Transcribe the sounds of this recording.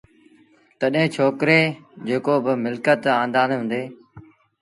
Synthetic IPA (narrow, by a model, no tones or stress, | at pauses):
t̪əɗɦɪ̃ːt͡ʃʰoːkɾeːd͡ʑeːkoːbɪmɪlkət̪ãːnd̪aːnɦʊ̃ːnd̪eː